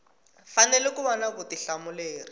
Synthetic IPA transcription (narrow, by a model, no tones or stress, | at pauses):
fanɛlɛkuβɔnakutiɬamʊleːri